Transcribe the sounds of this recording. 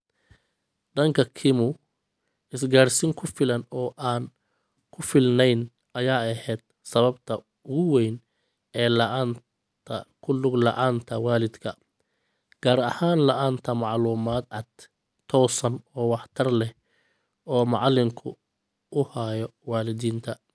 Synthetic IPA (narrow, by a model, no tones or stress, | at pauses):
d̪ɐŋkʰɐkʰɪmʊ | ɪsɡaːrsɪŋkʰʊfɪlɐnɔːʔaːn | kʰʊfɪlnɛjn | ʔɐjaːɐhɛːd̪̚ | sɐβɐbt̪ʰɐ | ʊɣʊwɛjn | ɛːlɐʔaːnʰ | ɐkʰʊlʊɡlɐ̰ʔaːnt̪ʰɐwaːlɪd̪kʰɐ | ɡ̥aːɾɐhaːnlɐʔaːnt̪ʰɐmɑʕluːmaːd̪ʕɑd̪̥ | t̪ʰɔːsɐnɔːwɑħt̪ʰɐrlɛh | ɔːmɑ̰ʕlɪmkʰʊ | ʊhajɔwaːlɪd̪iːnt̪ʰɐ